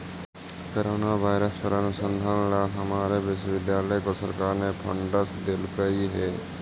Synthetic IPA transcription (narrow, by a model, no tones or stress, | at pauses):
koɾoːnaʋaːɪɾəspəɾənʊsə̃nd̪ʱãnɽaɦɐmaːɾeʋɪʃʋɪd̪jaːləjkosəɾkaːɾnepʰə̰̃ɳɖəsd̪ɪlkəiɦɛː